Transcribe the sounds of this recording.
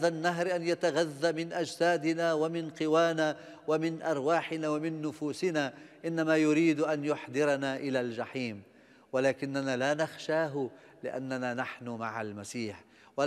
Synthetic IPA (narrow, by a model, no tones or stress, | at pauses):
ðanːaɦɾʔanjat̪aɣaðːamɪnʔad͡ʒsaːd̪ɪnaːwamɪnqɪwaːnaː | wamɪnʔɑɾˤwaːħɪnaːwamɪnːʊfuːsɪnaːʔɪnːamaːjʊɾiːd̪ʔanjʊħd̪ɪɾɑnaːʔɪlaːld͡ʒaħiːm | walaːkɪnːanaːlaːnaxʃaːɦʊ | lɪʔa̰nːanaːnaħnʊmaʕalmasiːħ | wa